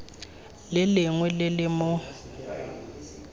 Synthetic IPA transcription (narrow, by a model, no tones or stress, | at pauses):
lɪlɪŋwɛlɪlɪmʊ